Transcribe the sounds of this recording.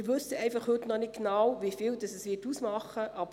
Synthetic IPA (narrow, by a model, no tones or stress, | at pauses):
ɾʋɵsəɛɪfɑχhɵtnɔnɪt̚ɡnawʋifiːldɑsɛsʋɪːtuːsmɑχəʔɑb